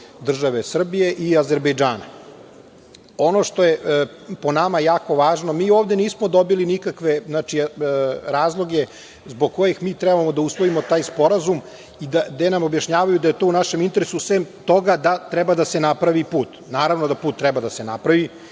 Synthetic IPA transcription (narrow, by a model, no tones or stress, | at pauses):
d̪r̩ʒaʋesr̩bije̞ʔiaze̞ɾbejd͡ʒaːna | o̞noʃt̪o̞je | ponamajaːko̞ʋaːʒnomiːo̞ːvd̪e̞niːsmod̪o̞bilinikakʋe̞znaːt͡ʃi | ɾaːzlˠo̞ɡe | zboɡ̚ko̞jexmiːt̪ɾɛbamo̞d̪ausʋoimot̪aːjspo̞ɾazum | id̪ad̪enamobjaʃɲaːʋajud̪aje̞t̪oːunaʃe̞mint̪e̞ɾesusʋemt̪o̞ɡad̪at̪ɾɛbad̪asenapɾaʋipuːt̪naːɾaʋnod̪apuːt̪ːɾɛbad̪asenapɾaʋi